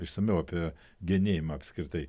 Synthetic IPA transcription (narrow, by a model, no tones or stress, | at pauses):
ɪʃsɐmʲɛʊɐpʲiɛ | ɡʲɛnʲeːjɪmɐɐpʲsʲkɾʲɪt̪ɐɪ